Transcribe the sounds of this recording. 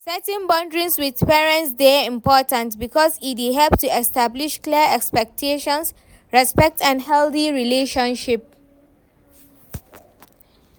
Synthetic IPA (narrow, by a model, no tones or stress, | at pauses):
sɛtĩnbɔ̃ndɹĩnswid̪pɛːɹə̃ntsdeĩmpɔːtə̃ntbikɔsidiɦɛlptuɛstabliʃkliəɛkspɛk̚tʰeʃɔ̃ns | ɹɛspɛk̚tɛ̃nhɛld̪iɹileʃɔ̃nʃip̚